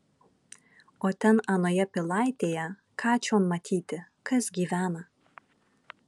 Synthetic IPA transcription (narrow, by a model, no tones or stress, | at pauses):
oːt̪ʲɛnɐnoːjɛpʲɪlˠɑˑɪt̪ʲeːjɛ | kʰɑːt͡ʃʲoːnmɐt̪ʲʰiːt̪ʲɪ | kɐsɡʲiːʋʲæːnɐ